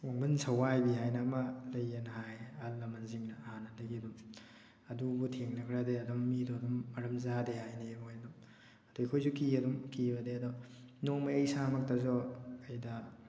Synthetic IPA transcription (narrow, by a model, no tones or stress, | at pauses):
woŋbɐnsʰɐwajbiɦajnamɐlɐjɐnɐɦajalːɐmɐnziŋnɐhanɐdɐɡiɐdum | ɐdubutʰeŋnɐkʰɾadeɐdɔmːidoɐdɔmːɐɾɐmzadehajnebojɐdum | ɐdojkʰojzukiɐdumkibɐdeɐdɔnoŋmɐjɐjsamɐk̚tɐzɔːjdɐ